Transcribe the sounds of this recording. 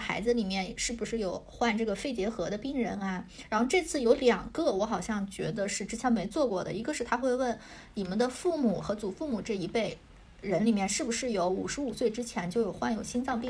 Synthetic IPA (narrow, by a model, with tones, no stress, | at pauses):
xa̰˧˥ɪd͡zɹ̩˧li˨˩mjɛ˥˩nʂɻ̩˥˩bu˨˩ʂɻ̩˥˩jo˨˩ʊxwa˥˧nʈ͡ʂɤ˥˩ɡə˩fe˥˩ɪt͡ɕjɛ˧˥xɤ˧˥d̪ə˧pi˥ŋɻə˧˥nɐ˧ɻa˧˥nxo˥˧ʊʈ͡ʂɤ˥˧t͡sʰɹ̩˥˩jo˧˥ʊljɑ˨˩ŋkɤ˥˧wɔ˧˥xɑ˨˩ʊɕjɑ˥˩ŋt͡ɕɥɛ̰˧˥d̪ə˧ʂɻ̩˥˩ʈ͡ʂɻ̩˥t͡ɕʰjɛ˧˥nme˧˥ɪt͡swɔ˥˧kwɔ˥˩d̪ə̰˩i˧˥ɡə˧ʂɻ̩˥˩t̪ʰa˥xwe˥˧ɪwə˥˩n | ni˨˩mə˧˦nd̪ə˧fu˥˩mu˨˩xɤ˧˥t͡su˨˩fu˥˩mu˨˩ʈ͡ʂɤ˥˩i˧˥pe˥˩ɪ | ɻə˧˥nli˨˩mjɛ˥˧nʂɻ̩˥˩bu˩ʂɻ̩˥˩jo˧˥ʊu˨˩ʂɻ̩˧˥u˨˩swe˥˩ɪʈ͡ʂɻ̩˥t͡ɕʰjɛ˧˥nt͡ɕjo˥˩ʊjo˨˩ʊxwa˥˩njo˨˩ʊɕʰi˥nt͡sɑ˥˧ŋpi˥